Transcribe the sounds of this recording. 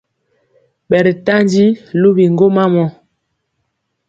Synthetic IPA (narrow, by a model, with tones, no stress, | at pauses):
ɓɛ˨ɾi˨ta˦nd͡ʒi˦lu˦bi˨ŋɡo˦ma˦mɔ˨